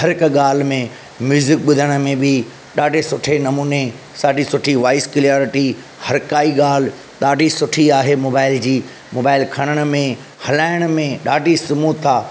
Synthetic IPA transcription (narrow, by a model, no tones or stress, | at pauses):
ɦɐɾɪkɠaːl̤mẽ | mjuːzɪk̚ɓʊd̪ʱəɽ̃ə̆mẽbɪ | ɗaːɖʱesʊʈʰenɐmuːne | saːɖisʊʈʰiʋaːɪskɪljaːɾɪʈi | hɐɾkaːiɠaːl̤ | ɗ̪aːɖʱisʊʈʰiaːɦemoːbaːɪld͡ʑiː | moːbaːɪlkʰɐɽ̃əɽ̃ə̆mẽ | hɐlaːɪɽ̃mẽɗaːɖʱisɐmuːt̪ʰaː